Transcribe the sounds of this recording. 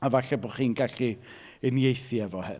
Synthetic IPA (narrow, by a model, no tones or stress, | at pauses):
avaɬɛbɔχiːnɡaɬi | ənjejθiɛvɔhɨ